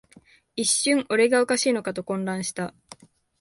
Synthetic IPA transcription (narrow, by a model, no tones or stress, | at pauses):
iɕːɨ̃ŋʔo̞ɾe̞ɡaokaɕiːno̞kat̪o̞kõ̞nɾãɰ̃ɕi̥t̪a